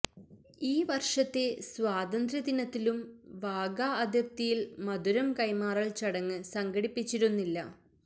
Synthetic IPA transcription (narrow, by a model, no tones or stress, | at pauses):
iːʋɐrʂɐt̪ːe̞swaːd̪ɐnd̪ɾɐd̪inɐt̪ːilumʋaːɡaːɐd̪ʱjɐp̚t̪ijilmɐd̪uɾɐmkɐjmaːrɐɭt͡ɕɐɽɐŋːɨsɐŋɡɐɽipːit͡ɕːiɾunːilːɐ